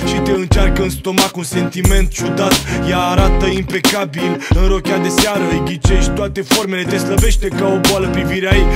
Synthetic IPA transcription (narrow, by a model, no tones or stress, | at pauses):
ʃit̪e̞ɨnt͡ʃarkəɨnst̪o̞makunse̞nt̪ime̞nt̪t͡ʃud̪at̪jaːɾat̪əimpe̞kabilɨnɾo̞kʲad̪e̞seaɾəjɡʲit͡ʃeʃt̪oat̪e̞fo̞rme̞le̞t̪esləbe̞ʃt̪e̞kao̞boaləpɾiviɾeaj